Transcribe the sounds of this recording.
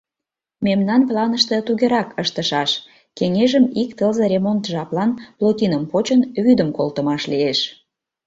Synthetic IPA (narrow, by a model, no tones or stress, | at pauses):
memnɑnplɑnəʃt̪ə̆t̪uɣeɾɑkəʃt̪əʃɑʃ | keŋeʒəmikt̪əlzə̆ɾʲemont̪ʒɑplɑnplot̪ʲinəmpot͡ɕənβyd̪əmkolt̪əmɑʃlieʃ